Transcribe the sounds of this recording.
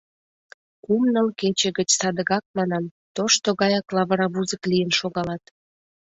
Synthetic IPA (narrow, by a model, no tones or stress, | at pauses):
kumnəlket͡ɕə̆ɣət͡ɕsɑd̪əɣɑk̚mɑnɑmt̪oʃt̪oɣɑjɑklɑβəɾɑβuzəklijənʃoɣɑlɑt̪